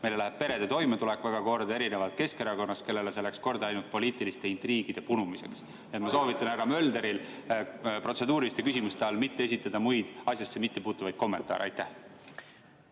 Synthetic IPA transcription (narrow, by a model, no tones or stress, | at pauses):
me̞jlelæheb̥̚pe̞ɾe̞d̪et̪o̞jmet̪ule̞kvæɡ̥ɑko̞ːɾd̪ɑe̞ɾine̞vɑlt̪̚ke̞ske̞ɾɑko̞nːɑst̪̚ke̞lːe̞les̬elæksko̞rd̪̥ɑɑjnult̪̚po̞liːt̪ːˑilist̪e̞int̪riːɡ̥id̪̥e̞punumise̞̰ks | niet̪mɑso̞ːvit̪ːˑɑnæɾɑmø̞ld̪e̞ɾil | pro̞se̞d̪uːɾilist̪e̞kysʲimust̪eɑlmit̪ːe̞e̞s̬ʲit̪ːˑɑd̪̥ɑmujd̪̥ɑsjɑsːemit̪ːe̞puːt̪ːˑuvɑjd̪̥̚ko̞mːe̞nt̪ːˑɑ̰ːɾḛɑjt̪ːæh